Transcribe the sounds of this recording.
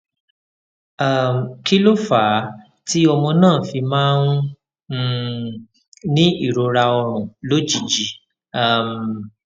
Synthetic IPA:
a˨m˨kʰi˦lo˦˨fa˨˦ | ti˦ɔ˧mɔ̃˧nãː˦˨fi˧mãː˦nũ˦˨ | nĩ˦i˦˨ɾo˧ɾa˧ɔ˧ɾ̃ũ˨lo˦d͡ʒi˨d͡ʒi˨ | a˨m˨

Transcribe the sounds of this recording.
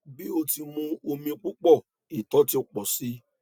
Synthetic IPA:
bi˦o˧ti˧mũ˧o˧mĩ˧o˧k͡pu˦k͡pɔ˦˨ | i˨tɔ˨˦ti˦u˧˨k͡pɔ˨si˨˦

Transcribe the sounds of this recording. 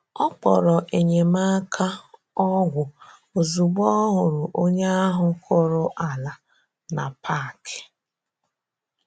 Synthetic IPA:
ɔ˦k͡pɔ̰˨ɾɔ˨ʔe˨ɲe˨ma˦kʰa˦ | ɔ˦ɡʷʊ˨ | o˨zu˨ɡ͡bɔ˦ɦʊ˨ɾʊ˨ʔo˦ɲe˦a˦ɦʊ˦kʰʊ˦ɾʊ˦ʔa˨la˨ | na˨pʰa˦˨kɪ̥˨

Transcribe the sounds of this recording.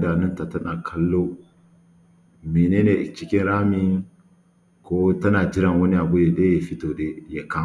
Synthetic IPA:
da˨nu˦nta˨tɐ˦na˨kʰɐ˦lːo˦ | mi˨neː˦ne˨t͡ʃi˦kʲɪ˦nɾaː˦mi˦ŋ | ko˦tɐ˦naː˨d͡ʒi˦ɾa˨ŋwɐ˦ni˦ʔa˨bu˦je˨ɗe˦je˨fi˦to˨ɗe˦ja˨ka˦

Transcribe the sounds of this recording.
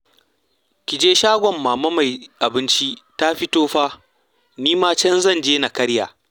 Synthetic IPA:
kʲɪ˨d͡ʒeː˦ʃaː˦ɡʷɔ˨mːaː˨mɐ˦ma˨jʔa˨bɪ˦nt͡ʃi˦ta˦ɸɪ˦toː˦ɸaː˦ | niː˦maː˦t͡ʃɐ˦nzɐ˦˨nd͡ʒeː˦na˨kɐ˦ɽja̰ː˨

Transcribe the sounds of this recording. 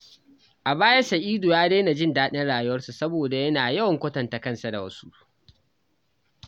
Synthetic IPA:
ʔa˨baː˦ja˦sɐ˨ʔiː˦dʊ˨jaː˦deː˦na˨d͡ʒɪ˦ndaː˦ɗɪ˦nɽaː˨jʊ˦wɐ˦rsu˨sɐ˦boː˨da˨jɐ˦naː˨jɐ˦wɐ˨ŋkʷɐ˦tɐ˨nta˨kɐ˦˨nsa˨da˨wɐ˦su˦ʔ

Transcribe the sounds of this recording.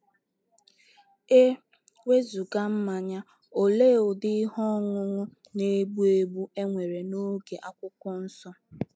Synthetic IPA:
e˦ | we˦zu˨ɡa˦m̩˦ma˨ɲa˦ | o˨leː˦o˨dɪ˦ɦɔ˦ŋʷʊ˦ŋʷʊ˦ | ne˦bu˦e˦bu˦e˦ŋʷe˨ɾe˨no˦ɡe˨ʔa˦kʷʊ˦kʷɔ˦n̩˦sɔ˦

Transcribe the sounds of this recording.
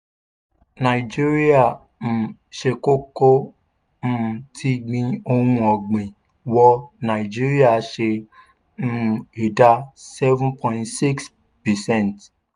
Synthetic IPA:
nã˨i˨d͡ʒi˦ɾi˦a˨ | m̩˨ʃe˧ko˦ko˦ | m̩˦˨tʰi˦ɡ͡bĩ˦o˧hũ˧˦ɔ˨ɡ͡bẽ˨ | wɔ˧nã˨i˨d͡ʒi˦ɾi˦a˦˨ʃe˧˦˧ | e˨da˦sɛ˦vũ˦pʰɔ̃˨ĩ˦ntsi˦ks | pi˨sɛ̃˦˨nt

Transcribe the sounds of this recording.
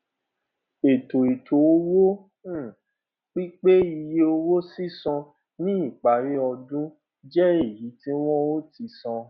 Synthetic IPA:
e˨to˨e˨tʰo˨o˦wo˦˨ | k͡pi˦k͡pe˦i˧je˦o˧wo˦si˦sɔ̃˧ | nĩ˦i˦˨k͡pa˨ɾe˨˦ɔ˧dũ˦ | d͡ʒɛ˦e˦˨ji˨˦tĩ˦w̃ɔ̃˦o˦ti˧sɔ̃˧

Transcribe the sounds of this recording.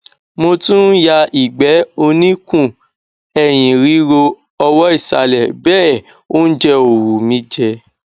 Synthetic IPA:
mo˧tũ˦ja˧i˨ɡ͡bɛ˨˦o˧nĩ˦kũ˦˨ | ɛ˨j̃ĩ˨ɾi˨˦ɾo˧ | ɔ˧wɔ˦i˦˨sa̰˧lɛ˨bɛː˦ | o˦n̩˦d͡ʒɛ˧o˨ɾu˨mĩ˦d͡ʒɛ˧

